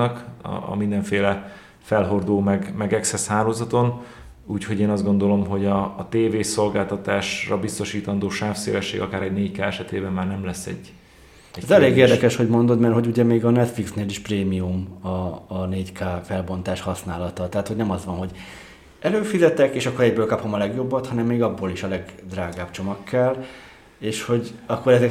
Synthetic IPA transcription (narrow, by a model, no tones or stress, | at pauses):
ɒkːmind̪ɛɱfeːlɛ | fɛlɦo̞rd̪oːmɛɡmɛɡɛksɛshaːloːzɒt̪o̞n | uːcho̞ɟeːnɒzɡo̞nd̪o̞lo̞mɦo̞ɟɒːt̪eːveːso̞lɡaːlt̪ɒt̪aːʃrɒbist̪o̞ʃiːt̪ɒnd̪oːʃaːfseːlɛʃːḛːɡɒkaːɾɛɟneːɟckaːɛʃɛt̪eːbɛmːaːrnɛmlɛsːɛ̰ɟ | ɛzɛleːɡeːrd̪ɛkɛʃho̞ɟmo̞nd̪o̞d̪mɛrtho̞ɟuɟɛmeːɡɒnɛt̪fliksneːliʃpreːmiumɒːneːɟkaːfɛlbo̞nt̪aːʃhɒsnaːlɒt̪ɒt̪ɛɦat̪ho̞ɟnɛmɒzʋɒnɦo̞ɟ | ɛløːfizɛt̪ɛkeːʃɒkːo̞ɾɛɟbøːlkɒpho̞mɒlɛɡjo̞bːɒt̪hɒnɛmːeːɡɒbːoːliʃɒlɛɡd̪raːɡaːbt͡ʃo̞mɒkːɛl | eːʃho̞ɟɒkːo̞ɾɛzɛ